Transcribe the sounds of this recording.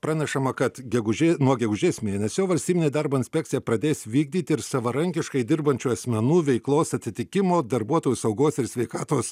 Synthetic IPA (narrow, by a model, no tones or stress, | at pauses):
pɾɑːnʲɛʃɐmɐkɐt̪ɡʲɛɡʊʒʲeːnuɔɡʲɛɡʊʒʲeːsmʲeːnʲɛsʲoːʋɐlʲsʲt̪ʲiːbʲɪnʲeːd̪ɐɾboːɪnsʲpʲɛkt̪sʲɪjɛpɾɐd̪ʲeːsʋʲiːɡ̚d̪ʲiːt̪ʲɪɾsɐʋɐɾɐŋʲkʲɪʃkɐɪd̪ʲɪrbɐnʲt͡ʃʲuɐsʲmʲɛnuːʋʲɛɪklˠoːsɐt̪ʲɪt̪ʲɪkʲɪmoːd̪ɐɾbuɔt̪oːjusɐʊɡoːsɪɾsʲʋʲɛɪkɑːt̪oːs